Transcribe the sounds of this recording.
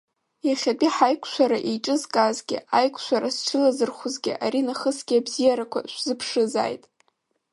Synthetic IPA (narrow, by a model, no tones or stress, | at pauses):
jaχʲapʼiħajkʷʰʃʷaɾaʔejʈ͡ʂʼɨzkʼazɡʲɪ̰ajkʷʰʃʷaɾast͡ʃʰɨlazɨrχʊzɡʲɪ̰ʔa̰ɾinaχəsɡʲɪabzijaɾakʷʰa̰ʃʷzɨpʰʂɨza̰jtʼ